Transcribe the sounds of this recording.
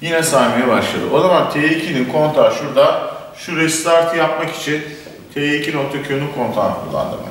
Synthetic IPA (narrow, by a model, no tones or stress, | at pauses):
jinɛsaːniejɛbaʃlˠa̰d̪ɯ̰ʔo̞zamant̪ʰeːecʰininkʰo̞nt̪ʰaʃuɾd̪a | ʃuɾɛst̪aɾt̪ʰɯjapmaki̥t͡ʃʰin | t̪ʰeːecʰino̞k̚t̪ʰacʰønykʰo̞nt̪ʰaːnkʰṵlˠːa̰nd̪ɯ̰mɯ̰